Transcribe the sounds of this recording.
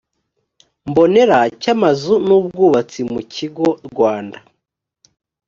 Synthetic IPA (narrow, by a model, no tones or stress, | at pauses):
mbo̞ne̞ɾacamazunub̚ɡuːβat͡simuciɡo̞ɾɡwaːnda